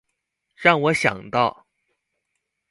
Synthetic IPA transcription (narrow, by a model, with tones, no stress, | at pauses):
ɻɑ˥˩ŋwɔ˨˧˥ɕjɑ̰˨˩ŋt̪ɑ˥˩ʊ